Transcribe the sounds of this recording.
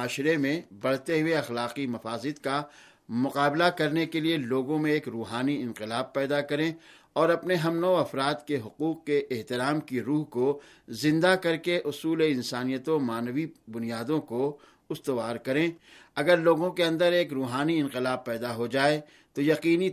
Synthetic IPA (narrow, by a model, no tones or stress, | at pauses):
aːʃɾemẽbɐɽ̤t̪eɦʊeɐxlaːqimɐfaːzɪd̪ka | mʊqaːblakɐɾnekelieloːɡõmẽeːkɾuːɦaːniɪ̃nqɪlaːb̚pɛːd̪akɐɾẽ | ɔːɾɐpneɦɐmnɔːɐfɾaːd̪keɦʊquːq̚keʔɪɦt̪ɪɾaːmkiɾuːɦko | zɪ̃nd̪akɐɾkeʔʊsuːleɪ̃nsaːnijət̪omaːnəʋibʊnijaːd̪õko | ʊst̪əʋaːɾkɐɾẽː | ɐɡəɾloːɡõkeɐ̃nd̪əɾeːkɾuːɦaːniɪ̃nqɪlaːb̚pɛːd̪aɦod͡ʒaːe | t̪ojɐqiːni